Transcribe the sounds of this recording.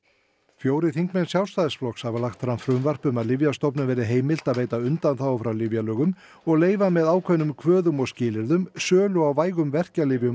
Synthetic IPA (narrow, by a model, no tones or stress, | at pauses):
fjoːwɾɪθiŋkmɛnsjawst̪aːðɪsflɔxkshavalaxt̪fɾamfɾʏmvar̥pʏmaðlɪvjast̪ɔpnʏvɛːɾɪɦeːjmɪl̥t̪aðveːjt̪aʏnt̪anθawawfɾawlɪvjalœːɣʏm | ɔɣleːjvamɛðaːwkʰvɛnʏmkʰvœːðʏmɔɣscɪːlɪɾðʏmsœːlʏawvaːjɣʏmvɛr̥calɪvjʏm